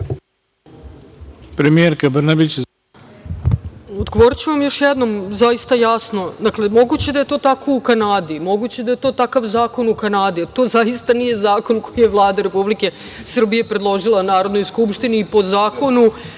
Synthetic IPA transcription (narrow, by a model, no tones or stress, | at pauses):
pɾemijeɾkabrnabit͡ɕ | od̪ɡoʋo̞ɾit͡ɕeʋamjo̞ʃjɛd̪no̞mzajist̪ajasno̞d̪akle̞mo̞ɡut͡ɕe̞d̪aje̞t̪o̞ːt̪ako̞ukanaːd̪imo̞ɡut͡ɕed̪aje̞t̪o̞ːt̪akaʋzaːko̞nukanaːd̪iat̪o̞ːzaist̪anije̞zaːko̞nkojijeʋlˠaːd̪aɾe̞publike̞ | sr̩bije̞pɾe̞d̪lˠo̞ʒilˠanaːɾo̞d̪no̞jskupʃt̪iniːpo̞zaːko̞nu